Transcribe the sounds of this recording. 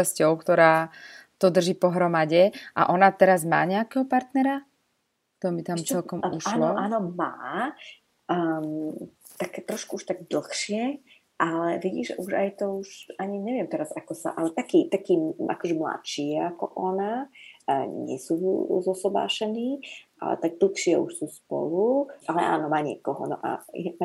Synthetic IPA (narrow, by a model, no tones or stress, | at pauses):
ascɔʊkt̪ɔɾaːt̪ɔd̪r̩ʒiːpɔɦɾɔmaɟɛʔa̰ʔɔnat̪ɛɾazma̰ːɲɛakɛɦɔpaɾt̪nɛɾa | kt̪ɔmbit̪amt͡sɛlkɔmuʃaːlɔʔaːnɔma̰ː | t̪akɛt̪ɾɔʃkuuʃt̪aɡd̪l̩xʃɪɛ | ʔalɛʋiɟḭːʒɛ̰ʔuʒa̰jt̪ɔuʃaɲiɲɛʋɪɛmt̪ɛɾazakɔsa̰ʔalɛt̪akiːt̪akiːʔa̰kɔʒɛmla̰t̪ʃiːɛakɔʔɔna | ɲɪɛ̰suzɔsɔba̰ːʃɛniːʔa̰lɛ̰t̪aɡ̚d̪l̩xʃɪɛʔuʃsuːspɔ̰luʔalɛʔa̰ːnɔmaːɲɪɛ̰kɔɦɔ̰nɔ̰ʔa̰j